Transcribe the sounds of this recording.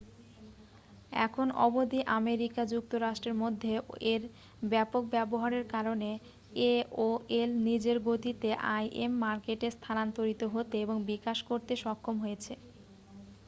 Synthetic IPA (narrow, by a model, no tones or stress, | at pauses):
ɛ̰kʰonɔ̰bod̪iʔameɾikad͡ʑuk̚t̪oɾaʃʈɾeɾmod̪ʱːeeɾ | bɛpok̚bɛboɦaɾeɾkaɾone | eoelnid͡ʑeɾɡot̪it̪eʔajʔemːaɾkeʈest̪ʰanant̪oɾit̪oɦot̪eeboŋbikaʃkoɾt̪eʃɔkʰːomɦojet͡ɕʰe